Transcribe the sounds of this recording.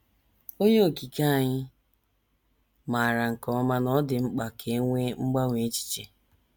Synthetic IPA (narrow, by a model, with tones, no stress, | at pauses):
o˦ɲe˦o˨ki˨ka˦a˨ɲɪ˦ | ma˨a˨ɾa˨ŋ̩˨kɔ˨˦ma˦nɔ˦dɪ˨ŋ͡m̩˦k͡pa˨kʰe˨˦ŋʷe˦ŋ͡m̩˦ɡ͡ba˦ŋʷe˨˦t͡ʃi̥˦t͡ʃe˨